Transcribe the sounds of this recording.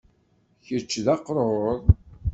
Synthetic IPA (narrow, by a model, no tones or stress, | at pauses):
çət͡ʃːðɑqːɾˤoðˤ